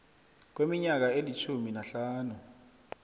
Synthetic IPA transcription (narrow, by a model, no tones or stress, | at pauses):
k̬wemiɲak̬aelit͡ʃʰuminaɬaːnu